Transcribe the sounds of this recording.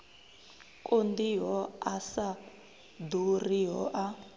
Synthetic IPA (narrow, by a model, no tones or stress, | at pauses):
kʼond̪iɦɔasa | d̪urijɔʔa